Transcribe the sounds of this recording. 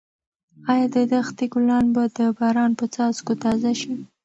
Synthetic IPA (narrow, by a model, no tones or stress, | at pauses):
ɑjɑd̪əd̪axt̪eɡʊlɑnbad̪əbɑɾɑnpət͡sɑzkot̪ɑzaʃi